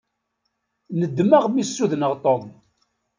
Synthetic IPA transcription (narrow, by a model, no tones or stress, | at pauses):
nəd̪ːməʁmisːuðnəʁt̪ˤom